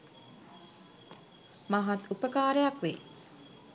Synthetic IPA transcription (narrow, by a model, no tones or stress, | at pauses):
maɦɐt̪upəkaːɾejɐkʋe